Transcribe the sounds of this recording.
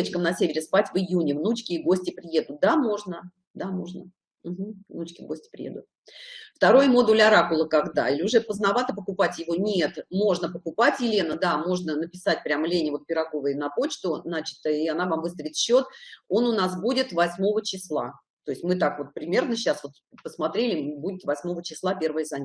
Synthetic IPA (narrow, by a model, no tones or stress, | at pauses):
t͡ɕkəmnɐsʲevʲɪɾʲɪspatʲvɨjunʲɪvnut͡ɕkʲɪːɡo̞sʲtʲɪpɾʲɪje̞d̪ʊt̪̚d̪amo̞ʐnə | d̪amo̞ʐnə | m̩ɦm̩vnut͡ɕkʲɪvɡosʲtʲɪ̥pɾʲɪ̰jed̪ʊt̪̚ | ft̪ɐɾo̞jəmo̞d̪ʊlʲaɾakʊlˠəkaɡd̪a̰ɪlʲɪʊʐɛpəznavat̪əpəkʊpatʲjɪvo̞nʲet̪mo̞ʐnəpəkʊpatʲjɪlʲe̞nəd̪amo̞ʐnənəpʲɪsat̚ʲpɾʲaməlʲenʲɪvo̞t̪̚pʲɪɾɐɡo̞vəjənɐpo̞t͡ɕt̪ʊznat͡ɕɪ̥t̪əɪanavamvɨst̪ɾəvʲɪt̪ɕːo̞t̪o̞nʊnasbudʲɪt̪vɐsʲmo̞vət͡ɕɪslˠa̰ | t̪o̞ɪsʲtʲmɨt̪akvo̞t̪̚pɾʲɪmʲe̞rnəɕːasvo̞t̪pəsmat̪ɾʲelʲɪbudʲɪt̪vɐsʲmo̞vət͡ɕɪslˠapʲe̞rvəjəzanʲ